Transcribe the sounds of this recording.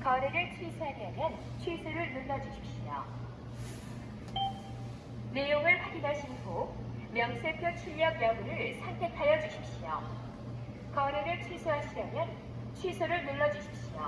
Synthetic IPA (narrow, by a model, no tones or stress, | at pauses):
kʌɾeɾet͡ɕʰwisʰoedemjʌn | t͡ɕʰwisʰɯɾɯɭnunːʌd͡ʑuɕʰi̥p̚ɕ͈ijo̰ | nejoŋɯɭɸaɡinaɕʰinɡo | mjʌŋsʰepʰjot͡ɕʰiʎjʌɡ̚mjʌŋuɾɯɭsʰaŋtʰe̞tʰajʌd͡ʑuɕʰip̚ɕ͈ijo̰ | kʌɾeɡɯt͡ɕʰwisʰuɦaɕʰiɾamjʌn | t͡ɕʰwisʰuɾɯɭnunːʌd͡ʑuɕʰi̥p̚ɕ͈ijo̰